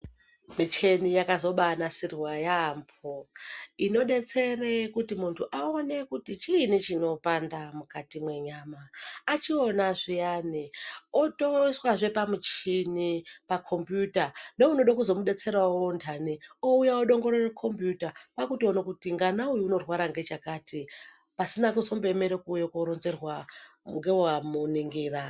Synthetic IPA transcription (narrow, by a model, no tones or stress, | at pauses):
mit͡ʃe̞nijakazo̞ɓanasirwajamboino̞ɗe̞t͡se̞rekutimuntʰuʔaone̞kutit͡ʃinit͡ʃino̞pandamukatimwe̞ɲaːmaːt͡ʃio̞naʐijaniotoiswaʐe̞pamut͡ʃinipakʰo̞mbjutaneuno̞ɗakuzo̞muɗe̞t͡se̞ɾaondʰanioujaoɗo̞ŋɡo̞ɾorekʰo̞mpjutapakutionakutiŋɡanaujuːno̞rwaɾaŋɡe̞t͡ʃakaːtʰi | pasinakuzo̞mbe̞me̞ɾekuːjekoɾonze̞rwaŋɡewamuniŋɡiːra